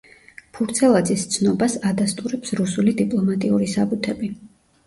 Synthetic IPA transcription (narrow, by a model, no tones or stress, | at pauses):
pʰuɾt̪sʰɛlˠad̪zist̪sʰnɔbasad̪ast̪ʼuɾɛpsɾusulid̪ipʼlˠɔmat̪ʼiuɾisabut̪ʰɛbi